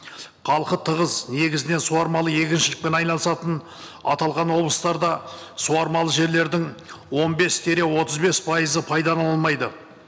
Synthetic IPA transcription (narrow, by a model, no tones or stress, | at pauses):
qʰɑlˠqət̪ʰəʁəzne̞ɡʲɪzɪne̞nsuɑɾmɑlˠəje̞kʲɪnʃɪlɪk̚pe̞nɑjnɑlˠəsɑt̪ən | ɑ̰t̪ɑlˠʁɑnwo̞blˠəst̪ɑɾd̪ɑsuɑɾmɑlˠəʒe̞ɾle̞ɾd̪ɪŋwo̞nbe̞st̪ʰe̞ɾe̞wo̞t̪əzbe̞spʰɑjəzəpʰɑjd̪ɑnɑɑlˠmɑjd̪ə